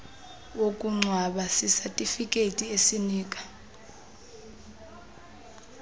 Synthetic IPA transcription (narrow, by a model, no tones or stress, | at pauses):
okʼuŋ͡ǀʱwaɓasisatʼifikʼetʼiesiniːk̬ʼḁ